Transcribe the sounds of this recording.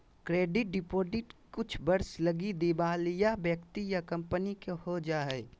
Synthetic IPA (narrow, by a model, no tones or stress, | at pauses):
kɾeːɖɪʈ̚ɖɪpoːzɪʈkʊt͡ʃʰbɐɾslɐɡid̪ibaːljabjəkt̪ijakɐ̃mpənikehod͡ʒaːɛ